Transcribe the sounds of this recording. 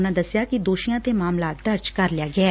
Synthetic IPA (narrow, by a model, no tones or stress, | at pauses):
nãːd̪ɐsɪjaːkid̪oːʃijãːt̪eːmaːmlaːt̪̚d̪ɐɾd͡ʒkəɾlɪjaːɡɪaː